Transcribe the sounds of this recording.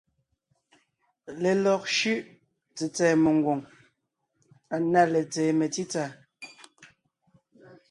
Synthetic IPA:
le˨lɔ˨k̚ʃʉ˦ʔ | t͡si˨t͡sɛː˨me˨ŋ˨ɡwo˨ŋ | a˨na˦˨le˨t͡sɛ˨˦me˨ti˦t͡sa˦˨

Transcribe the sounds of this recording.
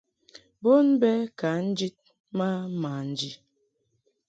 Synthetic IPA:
bo˦nbɛ˦ka˨˦n̩˦d͡ʒi˦t̚ | ma˦ma˨n̩˨d͡ʒi˨

